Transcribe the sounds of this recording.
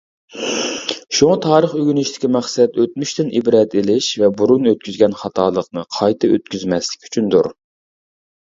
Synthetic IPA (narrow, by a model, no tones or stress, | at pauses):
ʃuŋɑt̪ʰɑːɾəχøɡʲynyʃt̪ʰɪ̥kʲimɛχsɛt̪øt̪myʃt̪ɪnʔibɾɛt̪ilɪʃvɛbuɾunøt̪̚kʲyzɡʲɛnχɑt̪ʰɑːlˠəqnɨqʰɑjt̪ʰɨø̰t̪̚kʲyzmɛslɪ̥kʲʰy̥t͡ʃʰynd̪ṵɾ